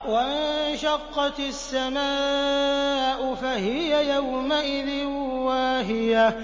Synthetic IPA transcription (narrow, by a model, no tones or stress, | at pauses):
waɪnnʃɑqːɑt̪ɪsːamaː | ʔʊfahɪjajawmaʔɪðɪnwaɦɪja